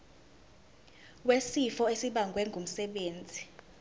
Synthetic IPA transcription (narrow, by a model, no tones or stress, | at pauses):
wesifɔesiɓaŋɡʱwɛŋɡʱum̩sɛɓeːnd͡zʱi